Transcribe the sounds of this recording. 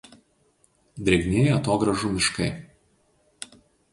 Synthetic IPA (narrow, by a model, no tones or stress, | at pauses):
d̪ʲɾʲɛɡʲnʲeːjɛɐt̪oːɡɾɐʒumʲɪʃkɐɪ